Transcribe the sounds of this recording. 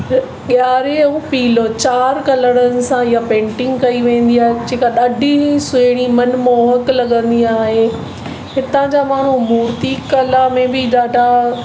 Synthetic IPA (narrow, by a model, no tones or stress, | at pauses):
ɠjaːɾeũpiːlot͡ɕaːɾkɐləɽ̃ənɪ̆sãjapẽːɳʈɪ̃ŋɡkɐiʋẽːn̆d̪iaːɦed͡ʑeːkaɗaɖʱiisʊɪɽ̃imɐnmoːɦəklɐɠə̃nd̪iaːɦe | ɦɪt̪ãd͡ʑaːmaːɳ̤umuːɾt̪ikɐlamẽbɪɗaːɖʱa